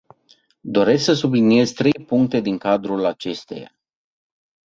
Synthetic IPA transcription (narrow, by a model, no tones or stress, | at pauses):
d̪o̞ɾe̞sksəsublinije̞zʲt̪ɾe̞jpuŋk̚t̪e̞d̪iŋkad̪ɾulat͡ʃe̞st̪e̞̰ja̰